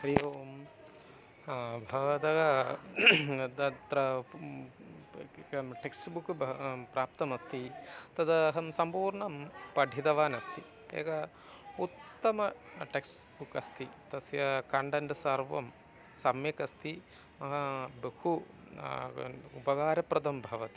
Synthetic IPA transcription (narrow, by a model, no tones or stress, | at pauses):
ɾijoːm | bʱɐʋɐd̪ɐɡɐ | d̪ɐnt̪ɾɐ | ɐʈeksʈbukbpɾaːp̚t̪ɐmɐst̪it̪ɐd̪ɐɦɐmsɐmpuːɾɳɐmpɐɖʱid̪ɐʋaːnɐst̪i | ḛːɡɐ | ut̪ːɐmɐʈeks | bukɐst̪it̪ɐsjɐkɐɳɖɐɳɖsɐɾʋɐ̰m | sɐmjɐkɐst̪ʰi | mɐɦɐbehu | upɐɡaːɾɐpɾɐd̪ɐmbʱɐʋɐt̪i̥